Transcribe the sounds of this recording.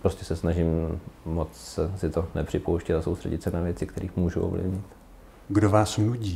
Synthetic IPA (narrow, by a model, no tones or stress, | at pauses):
pɾo̞scɛsɛsnaʒɪmːot͡ssɛsɪt̪onɛpr̥ɪpowʃcɛt̪asowst̪r̥ɛ̰ɟɪt̪sɛnavjɛtt͡sɪkt̪ɛɾiːxmuːʒṵʔo̰vlɪ̰vɲɪt̪ | ɡdovaːsnuɟiː